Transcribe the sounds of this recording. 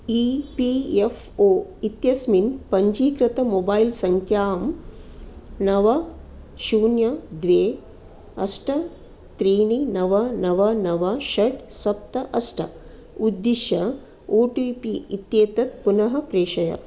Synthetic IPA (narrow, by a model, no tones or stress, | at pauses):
iːpiefʰ | oːit̪jɐsminpɐɲd͡ʒiːkɾɐt̪ɐmoːbaːilsɐŋkʰjaːm | nɐʋɐ | ʃuːnjɐd̪ʋeː | ɐ̰sʈʰɐ | t̪ɾiːninɐʋɐnɐʋɐnɐʋɐʃɐʈsɐp̚t̪ɐʔɐsʈʰɐ̰ | ud̪ːiʃɐ | oːʈiːpiit̪jeːt̪ɐt̪̚punɐɦɐpɾeːʃɐjɐ̰